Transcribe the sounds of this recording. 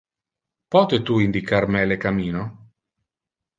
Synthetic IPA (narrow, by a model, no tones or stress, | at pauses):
pɔt̪et̪uind̪ikarmɛlekamiːno